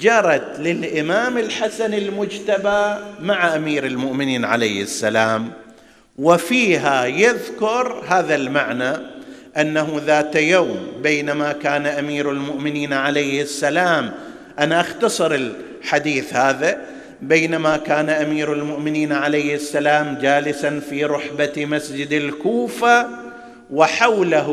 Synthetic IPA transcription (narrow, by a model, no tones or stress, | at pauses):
d͡ʒɑɾˤɑt̪lɪlʔɪmaːmɪlħasanɪlmʊd͡ʒt̪abamaʕaʔamiːɾɪlmʊʔmɪniːnʕa̰lejhɪsːalaːm | wɪfiːɦajaðkʊɾhaːðalmaʕnaʔanːaɦuðaːt̪ajawmbeːnamakaːnaʔamiːɾalmʊʔmɪniːnʕalajhɪsːalaːm | ʔanaʔaxt̪ɑsˤɨɾɪl | ħad̪iːθhaːða | beːnamakaːnaʔamiːɾalmʊʔmɪniːnʕalajhɪsːalaːmd͡ʒaːlɪsanfiːɾˤʊħbamasd͡ʒɪd̪ɪlkuːfa | wɪħawlaɦ